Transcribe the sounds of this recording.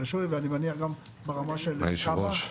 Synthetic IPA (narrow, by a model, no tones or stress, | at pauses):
eʃoveanimeniaχɡam | beʁamaʃelʃab